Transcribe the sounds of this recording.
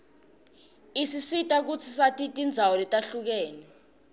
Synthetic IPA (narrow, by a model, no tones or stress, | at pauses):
isisitʼak̬ut͡sʰisatʼitʼind͡zʱawɔlɛtʼaɬuk̬ɛːnɛ